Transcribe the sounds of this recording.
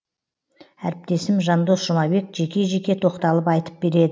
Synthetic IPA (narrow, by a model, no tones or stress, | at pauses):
æɾɪp̚t̪e̞sɪmʒɑnd̪o̞sʒʊmɑbe̞kʒe̞kʲe̞ʒe̞kʲe̞t̪ʰo̞qt̪ɑlˠəpɑjt̪ə̥p̚be̞ɾe̞d̪ɪ